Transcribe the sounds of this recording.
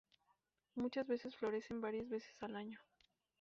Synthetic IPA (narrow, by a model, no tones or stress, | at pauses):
mut͡ʃazβe̞se̞sflo̞ɾe̞se̞mbaɾjazβe̞se̥salaɲo̞